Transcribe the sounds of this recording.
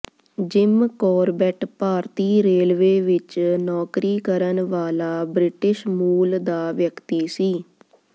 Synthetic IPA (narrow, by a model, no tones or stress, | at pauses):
d͡ʒɪmkɔːɾbɛʈpaːɾt̪iːɾeːlʋeːʋɪt͡ʃnɔːkɾiːkəɾənʋaːlaːbɾɪʈɪʃmuːld̪aːʋjəkt̪iːsiː